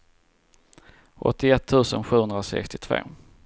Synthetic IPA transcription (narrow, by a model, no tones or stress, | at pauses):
ʔɔ̰t̪ʰːɪɛt̪ʰːʉ̟ːsənɧʉ̟ːhɵnd̪ɾasɛ̰kst̪ɪt̪ʰvo̰ː